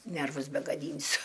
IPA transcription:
ˈnʲɛrʋʊs bʲɛɡɐˈdʲiːnʲsʲʊ

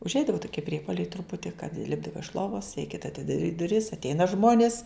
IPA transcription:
ʊʒʲˈɛɪdɐʋɐ tʊˈkʲiɛ ˈpʲrʲiɛpoːlʲɛɪ trʊˈpʊtʲɪ kɐt ˈlʲɪbdɐʋɐ ɪʃ ˈlˠoːʋɐs rʲɛɪˈkʲeːtɐ ɐtʲɪdɐˈrʲiːt dʊˈrʲɪs ɐtʲˈɛɪnɐ ˈʒmoːnʲɪs

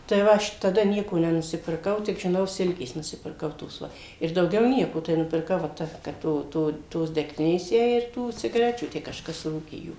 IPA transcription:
tɐɪ ˈʋɐ ɐʃ tɐˈdɐ ˈnʲiɛkoː nʲɛnʊsʲɪpʲɪrˈkɐʊ tʲɪk ʒʲɪˈnɐʊ ˈsʲɪlʲkʲeːs nʊsʲɪpʲɪrˈkɐʊ toːs ˈʋɐ ɪr dɐʊˈɡʲɛʊ ˈnʲiɛkoː tɐɪ nʊpʲɪrˈkɐʊ ʋɐ ˈtɐ kɐt ˈtoː ˈtoː toːs dʲɛkˈtʲɪnʲeːs ˈjɛɪ ɪr ˈtuː t͡sʲɪɡɐˈrʲæːt͡ʃʲuː ˈtʲæː kɐʃˈkɐs ˈruːkʲeː ˈjuː

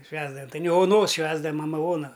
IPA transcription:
ˈʃʲʋʲæːzdɐʋɐm tɐɪ nʲɛ oːˈnoːs ˈʃʲʋʲæːzdɐʋɐm mɐˈmɐ ˈoːnɐ

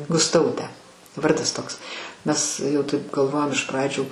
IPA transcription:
ɡʊsˈtɐʊtʲæː ˈʋɐrdɐs ˈtoːks ˈmʲɛs jɛʊ ˈtɐɪp ɡɐlˠˈʋoːjoːm ɪʃ ˈprɑːd͡ʒʲuː

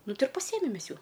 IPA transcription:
ˈnʊ ˈtʲɪ ɪr pɐˈsʲiɛmʲɛm ˈmʲɛs ˈjuː

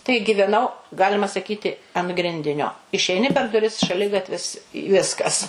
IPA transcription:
tɐɪ ɡʲɪʋʲɛˈnɐʊ ˈɡɑːlʲɪmɐ sɐˈkʲiːtʲɪ ɐn ˈɡrʲɪnʲdʲɪnʲoː ɪʃʲɛɪˈnʲɪ pʲɛr dʊˈrʲɪs ʃɐˈlʲɪɡɐtʲʋʲɪs ɪ ˈʋʲɪskɐs

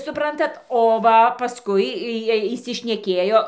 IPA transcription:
sʊˈprɐntɐt oː ˈʋɐ pɐˈskʊɪ ˈjiɛj iːsʲɪʃʲnʲɛˈkʲeːjoː

